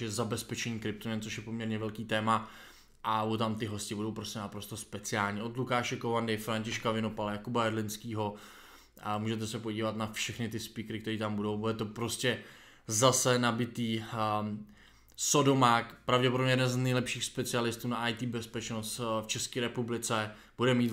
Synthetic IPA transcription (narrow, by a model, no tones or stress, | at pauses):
jɛzabɛspɛt͡ʃɛɲiːkɾɪp̚t̪omɛnt͡ssoʃjɛpomɲɛɾɲɛvɛlkiːt̪ɛːma | ʔaot̪amt̪ɪɦo̞scɪbudo̞wpɾo̞scɛnapɾo̞st̪o̞spɛt͡sɪaːlɲiːʔo̞d̪lukaːʃɛkovandɪfɾaɲcɪʃkavɪno̞palɛjakubaɛɾlɪnskiːɦo̞ | muːʒɛt̪ɛsɛpo̞ɟiːvat̪nafʃɛxnɪt̪ɪspɪkɾɪkt̪ɛɾiːt̪ambudowbudɛt̪o̞pɾo̞scɛ | zasɛnabɪt̪iː | sodo̞makpɾavɟɛp̬odobmɲɛjɛdɛnznɛjlɛpʃiːxspɛt͡sɪalɪst̪uːnaʔajt̪iːbɛspɛt͡ʃno̞st̪ft͡ʃɛskiːɾɛpublɪt͡sɛ | b̥udɛmiːt̪